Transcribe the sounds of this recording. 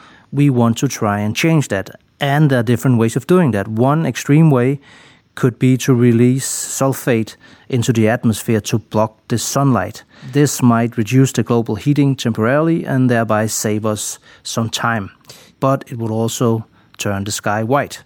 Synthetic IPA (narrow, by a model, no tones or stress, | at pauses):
wiwɑ̃ntʰɨtʰɹ̥aɪɨ̃nt͡ʃʰẽɪ̃nd͡ʒðæɾ | ʔɨ̃nðədɪfɹɨ̃nt̚weɪzʌvduɪ̃ŋðæt̚wʌ̃nɨkstɹ̥ĩmweɪ | kʰɨd̚biɾʰɨɹilisːɛlˠffeɪɾ | ʔɪ̃ntʉðiæt̚məsfɪɹɾʰəb̥lɑk̚ðɨsʌ̃nla̰ɪt | ðɪsmaɪt̚ɹɨdjʉsðɨɡloʊbl̩ˠhiɾɪ̃ŋtʰɛ̃mpʰə˞ɛɹl̩ˠiʔɨ̃nðɛ˞baɪseɪvʌsː | ʌ̃mtʰãɪ̃m | b̥ʌɾɪt̚wəɾɔlˠsoʊ | tʰɜ̃˞nðɨskaɪwaɪt